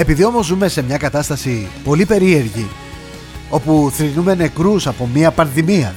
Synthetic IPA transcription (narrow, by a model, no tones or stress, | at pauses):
e̞piðio̞mo̞zːume̞se̞mɲɐkɐt̪ɐst̪ɐsipo̞lipe̞ɾie̞ɾʝi | o̞puθɾinume̞ne̞kɾusɐpo̞miɐpɐnðimiɐ